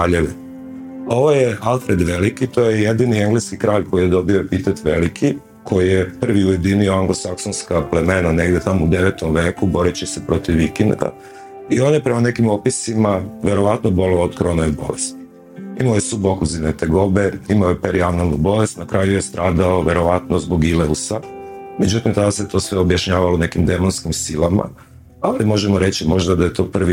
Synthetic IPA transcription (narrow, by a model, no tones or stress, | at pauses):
aːʎeʋe | o̞ʋojealˠfɾed̪ʋe̞likit̪o̞jejed̪inieŋɡleskikɾaːʎkʰo̞jijed̪o̞biopit̪et̪ʋḛlikʰi | kʰo̞jijepr̩ʋiujed̪inioaŋɡlosaksonskaple̞me̞nane̞ɡd̪et̪amoud̪e̞ʋet̪omʋe̞ːkubo̞ɾet͡ɕiɛsepɾo̞t̪iʋːikɛnd̪ɡa̰ | io̞ːnjepɾemane̞kimopisimaʋje̞ɾo̞ʋat̪nobo̞loːod̪koɾonoibo̞̰lest̪ | imaojesubokuzinet̪e̞ɡo̞be̞imaojepeɾʔianalnubo̞le̞st̪nakɾajujest̪ɾaːd̪aoʋje̞ɾo̞ʋat̪nozbo̞ɡileusame̞d͡ʑut̪imt̪ad̪aset̪o̞ːsʋeobjaʃɲaːʋalone̞kimd̪e̞monskimsilama̰ | alimo̞ʒemo̞ɾe̞t͡ɕimo̞ʒd̪ad̪aje̞t̪o̞ːpr̩ʋi